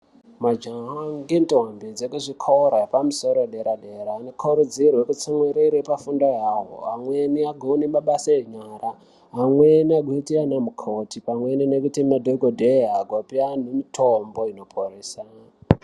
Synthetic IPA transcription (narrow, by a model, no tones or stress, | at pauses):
mad͡ʒaɦaŋɡentoɦambid͡zekuʐikʰoɾaepamuso̞ɾoɗeɾaɗeɾaːnekʰuɾud͡zirwe̞kut͡samweɾeɾepafundajaɦo̰ɦamweniaɡʱonimaɓasaeɲaːɾa | ɦamweniaɡʱweitianamukʰotipamwe̞ninekutimadʱoɡʱodʱeɦaɡʱopian̤umitʰombo̞ino̞pʰoɾeːsa